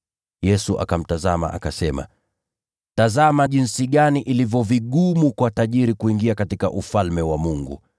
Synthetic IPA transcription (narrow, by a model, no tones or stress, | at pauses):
jɛsuʔa̰kam̩tazama̰ʔa̰kasɛma̰ | tazamaʄinsiɠaniʔilivjɔviɠumukwataʄiɾikuiŋɡiakatika̰ʔufalmɛwamuŋɡṵ